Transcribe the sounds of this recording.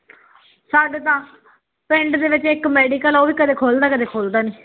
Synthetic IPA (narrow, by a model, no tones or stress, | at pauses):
saːɖet̪ãː | pɪ̃ɳɖd̪eːʋɪt͡ʃɪkmɛːɖiːkəloːʋiːkət̪eːkʰoːld̪aːkət̪eːkʰoːld̪aːneː